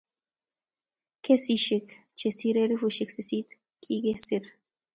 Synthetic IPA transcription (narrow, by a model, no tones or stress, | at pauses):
kesiʃik | t͡ʃesiɾeɾvuʃiksisit̪ | kʰiɡesiɾ